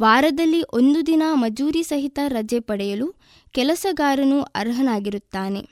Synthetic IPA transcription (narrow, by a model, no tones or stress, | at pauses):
ʋaːɾɐd̪ɐlːiʔo̞nd̪ud̪inɐmɐd͡ʒuːɾisɐɦit̪ɐɾɐd͡ʒɛpɐɽɛjɐlu | kɛlɐsɐɡaːɾɐnuɐ̰ɾɦɐnaːɡiɾut̪ːaːne̞